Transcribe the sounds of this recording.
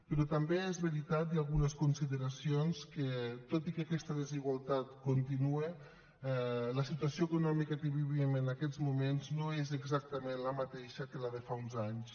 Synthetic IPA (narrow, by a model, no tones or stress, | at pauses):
pəɾɔt̪ambeezβeɾit̪at̪̚jalˠɣunəskunsiðəɾasionskət̪ot̪ikakɛst̪əðəziɣwalˠt̪at̪kunt̪inue | ɛləsit̪uasioekunɔmikəkəβiβimənakɛzmumenznoezəɡzak̚t̪əmenləmat̪eʃəkəlaðefaunzaɲs